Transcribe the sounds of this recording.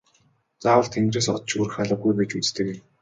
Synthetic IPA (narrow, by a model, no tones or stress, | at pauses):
t͡saːwə̆ɬt̪ʰeŋɡ̪reːsɔt̪t͡ɕuɾɘ̆xχaɮə̆ɡujpet͡ɕut͡st̪ɘ̆ke